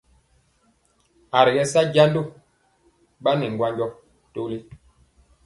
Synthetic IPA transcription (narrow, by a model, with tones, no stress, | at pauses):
a˨ɾi˨ɡɛ˦sa˦ɟa˦ndo˦˨ | ba˦nɛ˨ŋɡwa˦ɲɟɔ˦ | to˦li˦